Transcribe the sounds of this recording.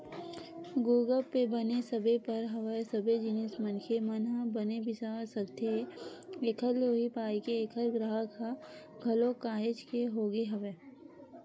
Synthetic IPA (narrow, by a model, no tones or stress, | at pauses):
ɡuːɡəlpːebɐnesɐbepɐɾɦɐʋəsɐbed͡ʒɪnesmɐnkʰemɐnabɐnebɪsasɐkt̪e | eːkʰəɾloːɦipaːikeːkɦəɾɡɾəɦəkʰa | ɡʱɐlokaːɦɪt͡ʃkeɦoːɡeɦɐʋeː